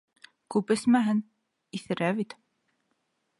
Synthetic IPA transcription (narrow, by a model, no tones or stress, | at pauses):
kʉpɘ̆smæɦɘn | iθɘ̆ɾæβit̪